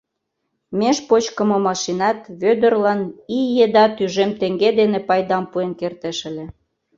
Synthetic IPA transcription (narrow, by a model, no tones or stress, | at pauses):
meʃpot͡ɕkə̆momɑʃinɑt̪βød̪ə̆rlɑnijed̪ɑt̪yʒemt̪eŋɡed̪enepɑjd̪ɑmpuenkert̪ĕʃə̆lʲĕ